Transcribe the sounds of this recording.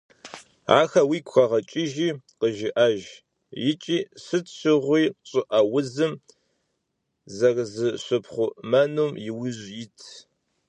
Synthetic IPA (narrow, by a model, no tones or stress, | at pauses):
a̰ːxɐwiːkʷxʷɐʁɐt͡ʃʼɪʒiːqəʒɪʔɐʒ | jɪt͡ʃʼiːsɨtɕɪʁʷiːɕʼɪʔɐwʊzɨm | zɐrzɨɕʷʊpʰχʷʊmɐnuːmjɪwʊʑjɪtʰ